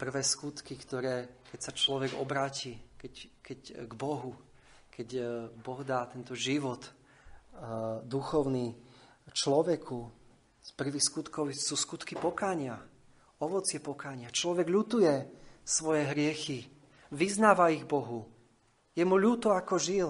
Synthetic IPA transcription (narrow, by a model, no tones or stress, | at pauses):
pr̩ʋɛːskut̪kikt̪ɔɾɛːkɛcsat͡ʃlɔʋɛɡɔ̰bɾaːcikɛkɛcɡbɔɦu | kɛɟbɔɣd̪aːt̪ɛnt̪ɔʒiʋɔt̪ | d̪uxɔʊni | t͡ʃlɔʋɛkʰu | spr̩ʋixskut̪kɔʊsuːskut̪kipɔkaːɲɪa | ɔʋɔt͡sɪɛpɔkaːɲɪat͡ʃlɔʋɛɡʎut̪ujɛsʋɔjɛɦɾɪɛxi | ʋiznaːʋaiɣbɔɦu | jɛmuʎuːt̪ɔakɔʒil